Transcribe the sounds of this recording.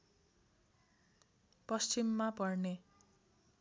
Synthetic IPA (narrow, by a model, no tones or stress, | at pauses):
pʌst͡ʃimːapʌrne